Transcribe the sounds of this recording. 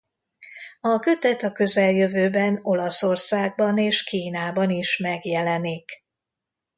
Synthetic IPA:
ɒkø̞t̪ɛt̪ɒkø̞zɛljø̞vøːbɛno̞lɒso̞rsaːɡ̚bɒneːʃkiːnaːbɒniʃmɛɡjɛlɛnik

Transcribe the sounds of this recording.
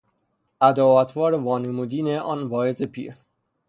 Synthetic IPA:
ʔæd̪ɒːvæt̪ʰvɒːɾevɒːnemud̪iːneʔɒːnvɒːezepʰḭːɾ

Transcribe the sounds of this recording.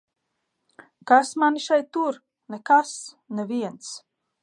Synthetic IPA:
kasmaniʃɛjt̪ːuɾ | nɛkas | nɛvʲiɛnt̪s

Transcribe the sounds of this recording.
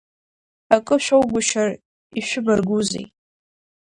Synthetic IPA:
akʼɨʃʷᶣowɡʷʊʃar | iʃʷᶣʊbarɡuzḛj

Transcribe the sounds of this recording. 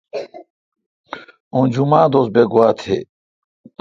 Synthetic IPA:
õd͡ʑumaːd̪osbeɡuwaːt̪ʰḛ

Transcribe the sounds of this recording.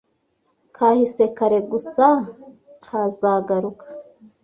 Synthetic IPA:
kʰahise̞kaɾe̞ɡusa | kʰazaɡaɾukḁ

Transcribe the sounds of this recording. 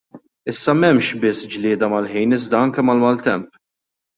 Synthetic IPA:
ɪsːɐmɛmʃbɪsːd͡ʒlɪːd̪ɐmɐlħijnɪzd̪ɐɐŋkɛmɐlmɐːlt̪ɛmp

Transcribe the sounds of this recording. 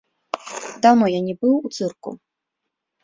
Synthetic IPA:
d̪awnɔjanʲɛbɨwut̪sɨrkṵ

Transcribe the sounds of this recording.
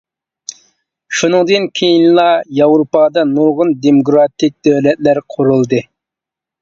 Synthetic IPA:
ʃunɨŋd̪ɨnkʲʰejinlˠɑjɑwɾupɑd̪ɑnuɾʁʊnd̪emoɡɾɑt̪ʰɪk̚ʲd̪̥øwlɛt̪̚læɾqʰʊɾulˠd̪ɨ

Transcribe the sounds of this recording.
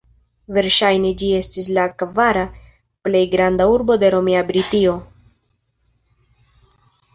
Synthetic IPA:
ve̞ɾʃajne̞d͡ʒie̞stis̬lakvaɾa | ple̞jɡɾandauɾbo̞d̪e̞ɾo̞miabɾitio̞

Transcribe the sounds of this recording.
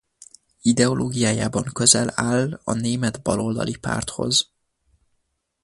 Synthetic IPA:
id̪ɛo̞lʔoːɡijaːjaːbɒŋkø̞zɛlaːlːɒneːmɛd̪bɒlo̞ld̪ɒ̰lipa̰ːrt̪ho̞̰z

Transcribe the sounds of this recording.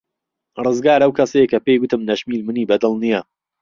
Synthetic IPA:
rɨzɡaːɾɐwkɐsɐjekɐpejɡwʊt̪ɨmnɐʃmiːlmɨniːbɐd̪ɨlˠnijɐ

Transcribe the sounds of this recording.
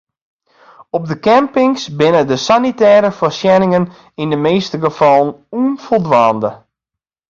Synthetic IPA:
ɔb̚dəkɛmpɪŋsbɪnədəsanitɛːɾəfəsjɛnɪŋən | indəmeːstəɡəfɑlˠənuənfolˠdʋaːndə

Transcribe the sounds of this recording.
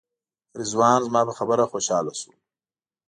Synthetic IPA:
ɾizwɑːnzmɑːpəxabəɾaxoːʃɑːlasu

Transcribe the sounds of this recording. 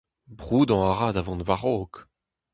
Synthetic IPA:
bʁuːd̪ɑ̃aʁaːd̪avɑ̃nvaʁoːk

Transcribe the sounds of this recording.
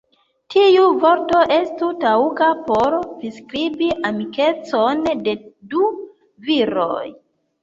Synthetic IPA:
tʰiuvo̞ɾto̞ʔe̞stutauɡapo̞ɾviskɾibiʔamike̞t͡sonde̞du | viɾo̰j

